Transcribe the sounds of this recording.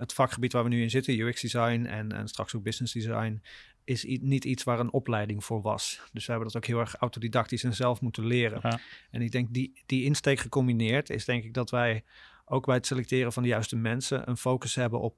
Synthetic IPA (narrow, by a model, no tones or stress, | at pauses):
ətfɑkχəbitʋaːɹʋənyɪnzɪtənjuɪksdizɑjnɛ̰nɛ̰nstrɑ̰ksoɡ̚bɪsnɪzdizɑ̰jn | ɪsnititsʋaːɹənɔplɛjdɪŋv̥ʊːɹʋɑ̰sd̥ɵsʋəɦɛbəndɑtowkɦɪːlˠɛɹχawtodidɑk̚tisɛnzɛlˠfmutənlɪːrənɛnɪɡ̚dɛŋk̚didiɪnstejkχəkɔmbinɪːɹtɪ̰zdɛŋkɪɡ̚dɑtʋɛj | ʔowɡbɛjətselɛk̚tɪːrənvɑndəjœɥstəmɛnsə̰nʔə̰nfowkəsɦɛbənʔɔp̚